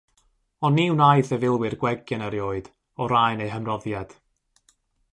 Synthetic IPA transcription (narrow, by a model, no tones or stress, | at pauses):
ɔniwnajθəvɪlˠwɨrɡwɛɡjanaɾjoːɨd̥ | ɔɾajnejɦəmrɔðjad̥